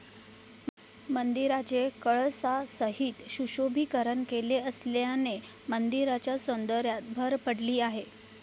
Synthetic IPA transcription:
mənd̪iɾad͡ʑekəɭsasəɦiːt̪ɕuɕobʱiːkəɾənkeleəsljane | mənd̪iɾat͡ɕjasond̪əɾjat̪bʱəɾpəɽliːaɦe

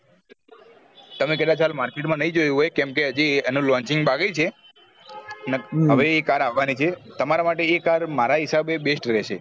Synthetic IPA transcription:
t̪əmek̬əd̪at͡ʃʰalmaɾkeʈmãnəɦĩd͡ʒojũɦojkɛmkeəd͡ʒienũlɔ̃ɲt͡ʃɪŋɡbaɡet͡ʃʰe | neɦəʋeːkaɾaʋːanit͡ʃʰet̪əmaɾamaʈeekaɾmaɾaɦisabebesʈɾɛʃe

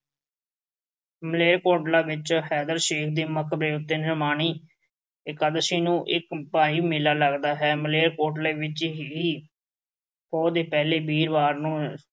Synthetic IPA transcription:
məleːɾkoːʈlaːʋɪt͡ʃhɛːd̪əɾʃeːkʰd̪eːməkʰbɾeːʊt̪ːeːnəɾmaːɳ̃iː | ɪkəd̪əʃiːnũːʔɪkpaːiːmɪlaːləɡd̪aːɦɛːməleːɾkoːʈleːʋɪt͡ʃɦiː | hoːd̪eːpɛːleːbiːɾʋaːɾnũː

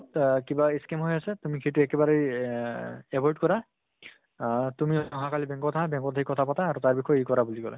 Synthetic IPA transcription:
tkibaiskemɦojasɛtumikʰetʊɛkɛbaɹej | ɛbɔɹdkɔɹa | tumiɔɔɦãkalibɛŋkɔtʰaabɛŋkɔtʰaɦikɔtʰapataːɹutaɹbixʰɔjejkɔɹabuliɡɔlɛ̰

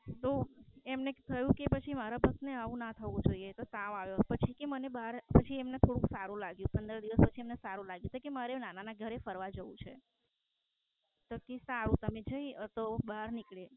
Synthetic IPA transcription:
t̪oemnet̪ʰəjũkepət͡ʃʰimaɾabʱək̚t̪neaʋũnat̪ʰəʋũd͡ʒoiet̪osaʋaʋjopət͡ʃʰikemənebaɾpət͡ʃʰiemnet̪ʰoɽũksaɾũlaɡjũpənd̪əɾd̪iʋəspət͡ʃʰiemnesaɾũlaɡjũt̪ʰojkemaɾenananaɡʱəɾefəɾʋad͡ʒəʋũt͡ʃʰḛ | t̪okisaɾũt̪əmed͡ʒəiət̪obaɾnikɭe

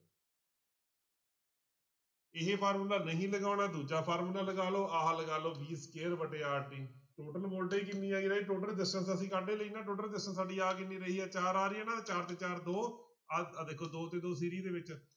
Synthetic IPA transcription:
ɪɦepʰaːɾmuːlaːnəɦĩːləɡaːʊɳaːd̪uːd͡ʒaːpʰaːɾmuːnaːləɡaːloːʔaːɦləɡaːloːbiːskeːɾbəɖeːaːʈiːʈoːʈəlboːlʈeːkɪnːiːaːiːɾəɦeːʈoːʈəlɖɪsʈənsəsĩːkaːɖeːləiːnaːʈoːʈəlɖɪsʈənsaːɖiːaːkɪnːiːɾəɦiːɛːt͡ʃaːɾaːɾɪɛːnãːt͡ʃaːɾt̪eːt͡ʃaːɾd̪oː | d̪eːkʰːoːd̪oːt̪eːd̪oːsiːɾiːd̪eːʋɪt͡ʃ

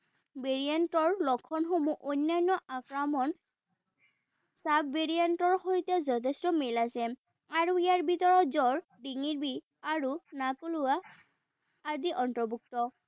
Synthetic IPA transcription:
beɹijantɔɹlɔkʰːɔnxomuʔonːajnːɔʔakɹamɔn | sabːeɹiantɔɹhojtɛzɔtʰɛstɔmilasɛ | aɹuijaɹbitɔɹɔtzɔɹ | diŋiɹbi | aɹunakoluwaː | diʔɔntɹɔbuk̚tɔ

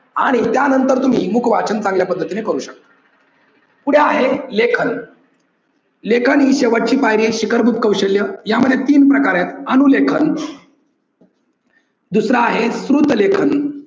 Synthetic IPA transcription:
aɽ̃it̪janənt̪əɾt̪um̤iːmukʰʋat͡ɕənt͡sãŋɡljapəd̪ʱːət̪inekəɾuːɕək̚t̪ə̥ | puɽ̤jeaɦelekʰən | lekʰəniːɕeʋəʈ̚t͡ɕiːpajɾiɕikəɾbʱup̚kəwɕəljəjaməd̪ʱːjet̪iːnpɾəkaɾjat̪ənulekʰən | d̪usɾaːɦesɾut̪lekʰən

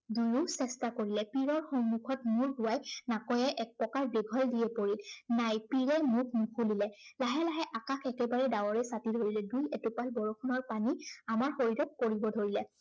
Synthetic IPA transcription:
dujusɛstakoɹilɛpiɹɔɹxɔnmukʰɔtmuɹɡʊwajnakɔjaʔɛk̚pɔkaɹbeɡʱɔldijɛpoɹilnajpiɹɛmuk̚ʰmukʰulilɛlaɦɛlaɦɛʔakakʰɛkɛbaɹɛdawɔɹɛsatidʱoɹilɛdujɛtupalbɔɹɔkʰunɔɹpaniamaɹxoɹidɔkkːoɹibɔdʱoɹilɛ

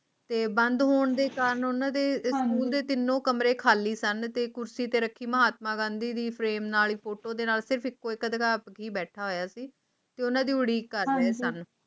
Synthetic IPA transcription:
t̪eːbənd̪ɦoːɳd̪eːkaːɾəɳʊnãːd̪eːskuːld̪eːt̪ɪnːõːkəmɾeːkʰaːliːsənt̪eːkʊɾsiːt̪eːɾəkʰːiːməɦaːt̪̚mãːɡãːnd̪iːd̪iːpʰɾeːmnaːliːpʰoːʈoːd̪eːnaːlsɪɾəpɪkːoːɪkəd̪əɡaːpkiːbɛːʈʰaːɦoːjaːsiː | t̪eːʊnãːd̪iːʊɽiːkəɾdɛːsən

